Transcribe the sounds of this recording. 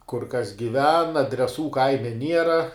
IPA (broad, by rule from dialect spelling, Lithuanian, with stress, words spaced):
kʊr kɐs ɡʲɪˈʋʲɛn ɐdʲrʲɛˈsuː ˈkɐɪmʲɛ ˈnʲiɛrɐ